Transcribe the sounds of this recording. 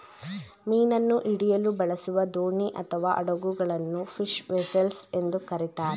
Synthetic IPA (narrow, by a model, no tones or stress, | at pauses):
miːnɐnːuʔiɽijɐlubɐɭɐsuʋɐd̪oːɳiʔɐt̪ʰɐʋaːʔɐ̰ɽɐɡuɡɐɭɐnːupʰiʃʋesɐlse̞nd̪ukɐɾit̪aːɾe